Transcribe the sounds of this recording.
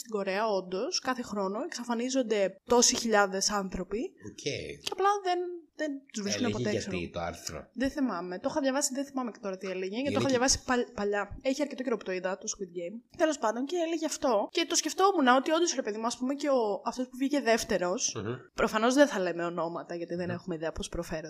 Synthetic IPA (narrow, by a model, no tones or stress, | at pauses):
st̪iɡo̞ɾe̞ɐo̞nd̪o̞skɐθe̞xɾo̞no̞eksɐfɐnizo̞nd̪e̞t̪o̞siçiʎɐðe̞sɐnθɾo̞pioceceɐplɐðenðent̪uzvɾiskkunepoeso̰t̪oa̰ɾθɾo̰ðeθimɐme̞t̪o̞xɐðʝɐvɐsiðenθimɐmecet̪o̞ɾɐt̪ieleʝecet̪oɐðʝɐvɐsi̥pɐpɐʎɐeçiɐɾcet̪o̞ceɾopt̪oiðɐt̪oskwit̪̚ɡejmt̪e̞lo̞spɐnd̪onceeleʝeɐft̪o̞cet̪o̞sceft̪o̞munɐo̞t̪io̞nd̪osɾepeðimuɐspumeceoɐft̪o̞spuvʝice̞ðe̞ft̪e̞ɾo̞spɾo̞fɐno̞zðenθɐlemeo̞no̞mɐt̪ɐʝɐt̪iðenexumeiðeɐpospɾofe̞ɾo